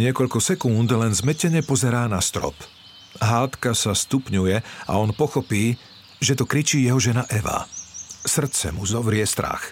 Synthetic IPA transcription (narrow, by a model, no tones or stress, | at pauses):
ɲɪɛkɔʎkɔsɛkund̪lɛnzmɛcɛɲɛpɔzɛɾaːnast̪ɾɔ̰p | ɦaːt̪kasast̪upɲujɛa̰ɔnpɔxɔpiː | ʒɛt̪ɔkɾit͡ʃiːjɛɦɔʒɛnaʔɛʋa̰sr̩t̪t͡sɛ̰muzɔʋɾɪɛst̪ɾa̰x